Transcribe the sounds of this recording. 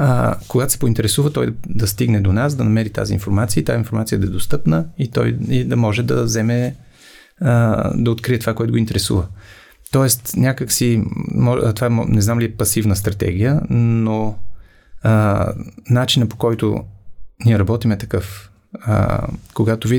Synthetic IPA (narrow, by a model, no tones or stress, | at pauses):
ə̰koɡat̪o̥sɛ̥pʊint̪ɛɾɛsuvət̪ɔjd̪ɐst̪iɡnɛd̪onasd̪ɐnɐmɛɾit̪a̰zḭnfoɾmat̪siəit̪ainfoɾmat̪sijəd̪ɐɛd̪ost̪ɤpnəit̪ɔ̰jid̪ɐmɔʒɛd̪ɐzɛmɛ | d̪ɐot̪kɾiɛt̪ovakoɛt̪ʊɡʊint̪ɛɾɛsṵvə | t̪ɔɛst̪nʲakəksimɔt̪ovaɛmnɛznamliɛpɐsivnəst̪ɾɐt̪ɛ̰ɡʲijəno | nat͡ʃinəpo̥kɔjt̪o̰niɛɾɐbɔt̪imɛt̪ɐkɤf | ə̰koɡat̪ovi